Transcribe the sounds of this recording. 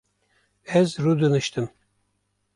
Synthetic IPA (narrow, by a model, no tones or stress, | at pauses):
ɛzɾud̪ɯnɯʃt̪ʰɯm